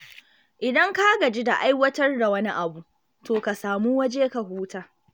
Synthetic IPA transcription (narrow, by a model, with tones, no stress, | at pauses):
ʔɪ˨dɐ˦ŋka˦ɡɐ˨d͡ʒe˦da˨ʔa˦jwɐ˦tɐ˦rda˨wɐ˦ni˦ʔa˨bu˨ | toː˨ka˨saː˨mu˦wɐ˦d͡ʒeː˦ka˨ɦuː˦taː˦